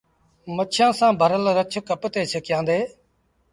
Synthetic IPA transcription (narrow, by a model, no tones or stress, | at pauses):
mətːʃʰãːsãːbʱəɾəlɾət͡ʃʰkəpt̪eːt͡ʃʰekjãːnd̪eː